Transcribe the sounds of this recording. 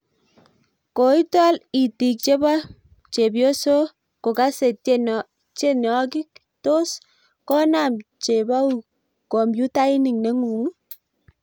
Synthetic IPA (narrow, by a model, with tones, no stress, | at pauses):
ko˨i˦ta˦li˨ti˨k̚t͡ʃe˦ba˦ | t͡ʃe˨bjo˦so˦ | ko˨ka˦se˨˦n | t͡ʃe˦n˨ɔ˦ki˦k | to˦s | kɔ˦na˨mt͡ʃe˨ba˦u˨ | ko˨mbju˦ta˦i˦ni˨ŋne˨˦ŋu˨ŋ